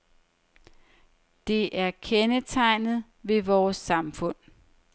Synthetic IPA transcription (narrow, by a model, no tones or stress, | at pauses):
d̥e̝ʔæɐkʰenət͡sʰɑ̈ɪ̰nð̩ˠ | ʋe̝ʋɒːsːɑ̈mfɔ̽n̰